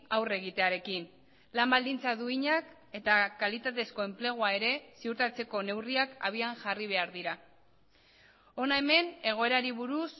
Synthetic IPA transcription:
awre̞ɣ̞it̪e̞aɾe̞kin | lambald̪int͡saðuiɲak | e̞t̪akalit̪at̪e̞sko̞e̞mple̞ɣ̞uae̞ɾe̞siuɾt̪at͡se̞ko̞ne̞wriakaβ̞iaŋʝariβ̞e̞aɾðiɾa | o̞nae̞me̞ne̞ɣ̞oe̞ɾaɾiβuɾus

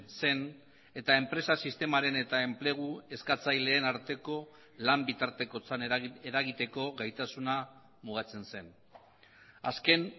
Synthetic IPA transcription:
se̞n | e̞t̪ae̞mpɾe̞sasist̪e̞maɾe̞ne̞t̪ae̞mple̞ɣ̞ue̞skat͡sajle̞ːnaɾt̪e̞ko̞ | lambit̪aɾt̪e̞ko̞t͡saneɾaɣit̪e̞ko̞ɣajt̪asuna | muɣ̞at͡se̞nse̞n | a̰ske̞n

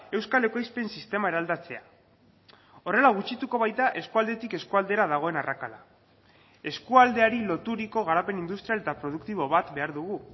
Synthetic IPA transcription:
e̞wskale̞kojspensist̪e̞mae̞ɾald̪at͡se̞a | o̞re̞laɣ̞ut͡ʃit̪uko̞βajt̪aʔe̞skuald̪e̞t̪ike̞skuald̪e̞ɾaðaɣ̞o̞e̞narʔakala | e̞skuald̪e̞aɾilo̞t̪uɾiko̞ɣ̞aɾape̞nind̪ust̪ɾijale̞t̪apɾo̞ð̞ukt̪iβ̞o̞βat̪be̞aɾðuɣu

